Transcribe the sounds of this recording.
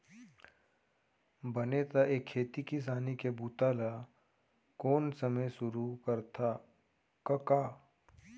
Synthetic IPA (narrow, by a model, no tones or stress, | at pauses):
bɐnet̪aeːkʰːeːt̪ikɪs̬aːnikebuːt̪aːla | koːnsɐməjsʊɾukɐɾt̪ʰa | kɐkaː